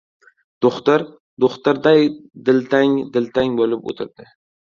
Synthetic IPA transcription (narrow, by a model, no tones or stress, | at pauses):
d̪̥oχt̪ɪɾ | d̪oχt̪ɪɾd̪ajd̪ɪlt̪ʰaŋd̪ɪlt̪ʰaŋbolɪpo̰t̪ʰɪɾd̪̥ɪ